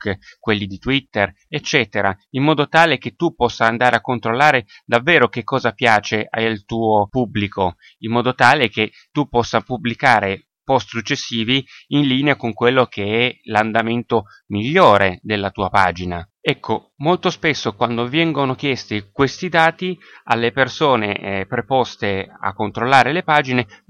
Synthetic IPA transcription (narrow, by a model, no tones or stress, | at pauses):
kkwelːid̪it̪wit̪ːer | et͡ʃːɛːt̪eɾaimmːɔːd̪ot̪aːleket̪ːupːɔsːaːnd̪aːɾeakːont̪ɾolːaːɾe | d̪avːeːɾok̟ekʰːɔːzapjaːt͡ʃeʔa̰jlt̪uːopublikʰo | immːɔːd̪ot̪aːlek̟e | t̪ːupːɔsːapublikaːɾe | pɔst̪sut͡ʃːesːiːviinliːneakoŋkwelːok̟eɛland̪ament̪o | miʎːoːɾed̪elːat̪uːapaːd͡ʒinaɛkʰːo | molt̪ospesːokwand̪ovjɛŋɡonok̟jɛst̪ikwest̪id̪aːt̪i | a̰lːepersoːnepɾepɔst̪ea̰kːont̪ɾolːaːɾelepaːd͡ʒine